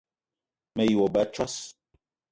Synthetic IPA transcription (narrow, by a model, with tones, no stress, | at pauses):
mɛ˨ji˨wo˨ba˨˦t͡ʃɔ˦s